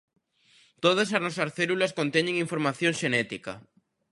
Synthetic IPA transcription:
t̪oð̞as̬aznɔsɐsθelulɐskont̪eɲẽŋiɱfoɾmaθjoŋʃenɛt̪ika̰

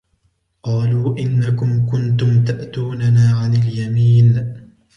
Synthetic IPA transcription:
qɑːluːʔɪnːakʊmkʊnt̪ʊmt̪aʔt̪uːnanaːʕanɪljamiːn

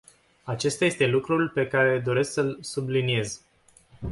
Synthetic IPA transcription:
at͡ʃe̞st̪aje̞st̪e̞lukɾulpe̞kaɾe̞d̪o̞ɾe̞sksəlsublinie̞z

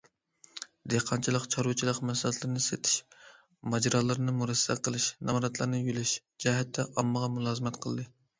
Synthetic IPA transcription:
d̪eqʰɑnt͡ʃʰilˠəqt͡ʃʰɑɾwut͡ʃʰilˠəqmɛsɛlɛt̪lɨɾɨnɨset̪ʰɪ̥ʃ | mɑd͡ʒɾɑːlˠɨɾɨnɨmuɾɛsːɛ̰qʰəlˠɨʃnɑmɾɑt̪lˠɑɾnɨjylɪʃ | d͡ʒɛɦɛt̪ʰːɛʔɑmːəʁɑmulˠɑːzɨmɛt̪qʰəlˠd̪ɨ

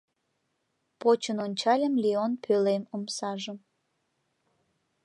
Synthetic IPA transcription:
pot͡ɕənonʲt͡ɕɑlʲəmlʲionpʰølemomsɑʒəm

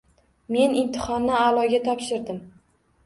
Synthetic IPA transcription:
me̞nɪnt̪ʰɪ̥χɒnːɪalˠɒɡʲat̪ʰɒpʃɪɾd̪ɪm

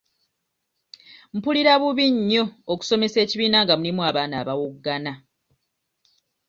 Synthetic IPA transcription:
m̩puliɾaβuβiɲːoːku̥so̞me̞se̞ːciβiːnaːŋɡamulimwaːβaːna̰ːβawoɡana

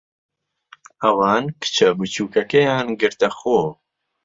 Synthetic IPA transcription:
ɐwɑːnkɨ̥t͡ʃʰɐbut͡ʃʰuːkɐkejaːnɡɨɾt̪ɐxoː

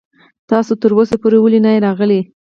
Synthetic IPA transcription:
t̪ɑsot̪əɾosapoɾewəlinajɾɑɣəle

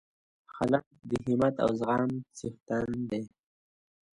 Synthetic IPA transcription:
xalaq̚d̪əɦimat̪a̰wzɣɑːmsixt̪and̪e

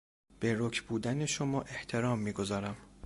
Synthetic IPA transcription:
b̥eɾokʰbuːd̪æne̞ʃomɒːʔe̞ht̪ʰe̞ɾɒːmːiːɡo̞zɒːɾæm

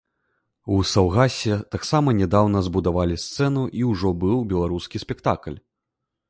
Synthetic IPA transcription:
usawɣasʲɛt̪aksamɐnʲɛd̪awn̪ɐzbud̪avalʲist̪sɛnuʔiwʐɔbɨwbʲɛlˠaɾuskʲisʲpʲɛkt̪aklʲ

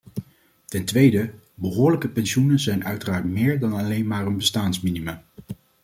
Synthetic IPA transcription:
tɛntʋejdə | bəɦʊːɹləkəpɛnʃunənzɛjnʔœɥtəraːɹtmɪːɹdɑnɑlejnmaːɹənbəstaːnsminiməm

